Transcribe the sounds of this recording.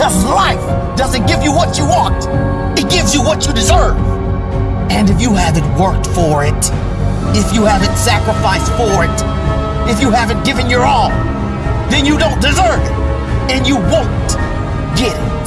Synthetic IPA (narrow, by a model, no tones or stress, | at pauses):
ʌlaɪf | d̥ʌzɨ̃nɡ̥ɪvjɨwʌt͡ʃɨwɑ̃nt | ɨt̚ɡ̥ɪvzjɨwʌt͡ʃɨdɨzɜ˞v̥ | ɨ̃nɨfjɨhævɨ̃ntwɜ˞k̚tfə˞ɪt | ɪfjɨhævɨ̃ntsækɹəfaɪsfə˞ɪt | ɨfjɨhævɨ̃nɡ̥ɪvɨ̃njə˞ɔ̃l | ðɨ̃njɨdõʊ̃nd̥ɨzɜ˞vɪt | ɨ̃njɨwõʊ̃n | ɡ̥ɪɾɪt